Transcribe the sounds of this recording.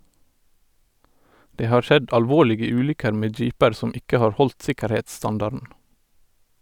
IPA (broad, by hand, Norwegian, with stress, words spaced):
ˈdeː ˈhɑːɹ ˈʃɛd ʔɑlˈʋoːlɪɡə ˈʉːlʏkəɾ ˈmeː ˈd͡ʒiːpəɾ ˈsɔm ˈɪkə ˈhɑːɹ ˈhɔlt ˈsɪkəɾheːtsˌstɑndɑɾdn̩